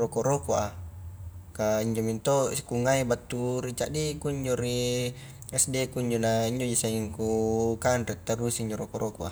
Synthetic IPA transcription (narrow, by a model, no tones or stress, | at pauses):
rokoʔɾokua | kaiɲd͡ʒomint̪oi̥kuŋaibat̪ːuɾit͡ʃaʔdekuiɲd͡ʒoɾi | ɛsdekuiɲd͡ʒonaiɲd͡ʒod͡ʒisaiŋkukandɾɛt̪ːaɾusiːɲd͡ʒoɾokoɾʔokua̰